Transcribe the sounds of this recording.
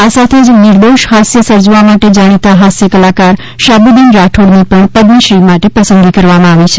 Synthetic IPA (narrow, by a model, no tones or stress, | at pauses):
asat̪ʰed͡ʒnɪɾd̪oʃɦasjəsəɾd͡ʒʋamaʈed͡ʒaɽ̃it̪aɦasjəkəlakaɾ | ʃabud̪inɾaʈʰoɽnipəɳpəd̪niʃɾimaʈepəsənd̪ikəɾʋamãaʋit͡ʃʰe̥